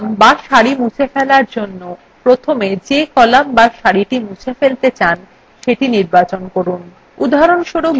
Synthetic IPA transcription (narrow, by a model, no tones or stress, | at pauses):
mbaʃaɾimut͡ɕʰefɛlaɾd͡ʑonːo | pɾot̪ʰomed͡ʑekɔlambaʃaɾiʈimut͡ɕʰefelt̪et͡ɕan | ʃeʈiniɾbat͡ɕonkoɾun | ud̪ʱaɾonʃoɽo